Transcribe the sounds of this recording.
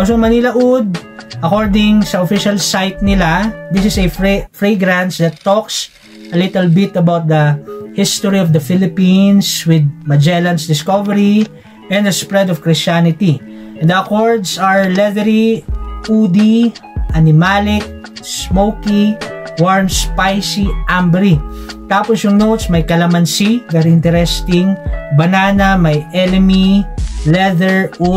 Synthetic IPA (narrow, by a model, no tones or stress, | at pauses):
osoŋmɐnilɐʔud̪̚ʔɐkoɹd̪ɪ̃ŋsɐɔfɪʃɐlsajt̪nɪlad̪ɪsɪsɐffɹeɡɾãnsd̪ɐt̪ːɔks | ʔɐlɪt̪ɛlbɪt̪ɐbawt̪̚d̪ɐhɪst̪ɔɹiɔvd̪ɐfɪlɪpĩnswɪd̪̚mɐd͡ʒɛlɐnsd̪ɪskɔvɛɾi | ʔɛ̃nd̪ɐspɹɛd̪ɔv̥kɹɪst͡ʃanɪt̪i | ʔɛ̃nd̪ɐkoɹd̪sɐɹlɛðɛɾiʔud̪iʔɐnɪmalɪk̚ | smowkiwaɹmspajsiʔambɛɾit̪aːpɔsjʊŋnowt̪smɐjkɐlɐmɐnsivɛɾiɪnt̪ɛɾɛst̪ɪ̃ŋbɐnaːnɐmɐjʔɛlɛmilɛðɛɹu